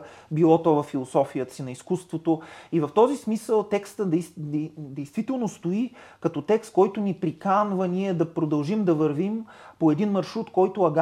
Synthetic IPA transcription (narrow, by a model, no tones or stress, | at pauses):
bilˠɔt̪ɔvɐfːilˠosɔfijət̪ə̥sinɐiskust̪vot̪oivɐft̪ɔzismisəlˠt̪ɛkst̪əd̪ɛd̪ɛjst̪v̥it̪ɛlˠnost̪oikɐt̪ɔt̪ɛkst̪̚kɔjt̪ʊnipɾikanvəniɛd̪ɐpɾod̪ɐlˠʒimd̪ɐvəɾvimpoɛd̪inmɐɾʃɾut̪kɔjt̪oɐɡ